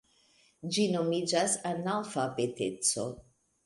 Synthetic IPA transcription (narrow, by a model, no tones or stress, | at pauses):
d͡ʒinomid͡ʒasanalfapetet͡so̰